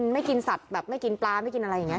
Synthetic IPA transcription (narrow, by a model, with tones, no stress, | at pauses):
nma˥˩jki˧nsa˨˩t̪̚bɛː˨˩p̚ma˥˩jki˧nplaː˧ma˥˩jki˧nʔa˧ɾa˧ja˨˩ŋː˩˦˥